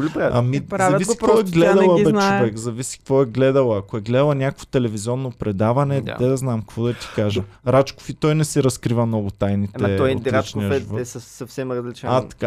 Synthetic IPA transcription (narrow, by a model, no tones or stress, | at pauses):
lʲpɛɐmizavɐvisi̥kɾvɔɛɡlɛd̪ɐlˠɐbɛnt͡ʃovɛkzɐvisi̥kvɔɛɡlɛd̪ɐlˠɐɐkoɛɡlɛd̪ɐlˠɐnʲakəkvo̥t̪ɛlɛviziɔnːopɾɛd̪avɐnɛd̪ɛd̪ɐznamkkvɔd̪ɐt̪i̥kaʒɐɾat͡ʃko̥fit̪ɔjnɛsiɾɐskɾivɐmnɔɡʊt̪ajnit̪ɛɔit͡ʃniɐʒɛvɔɛsɐsɐfsɛmɾɐzlit͡ʃat̪ɐ̥ka